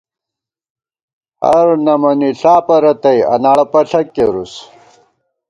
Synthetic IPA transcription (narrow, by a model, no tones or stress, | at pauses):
ɐ̰ɾnɐmɐniɬaːpɐɾɐt̪ɐjɐ̰naːɭɐpɐɬɐkːeɾus